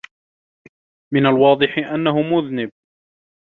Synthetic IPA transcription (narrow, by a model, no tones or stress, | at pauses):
mɪnalwɑːd̪ˤɨħɪʔanːaɦʊmʊðnɪb̚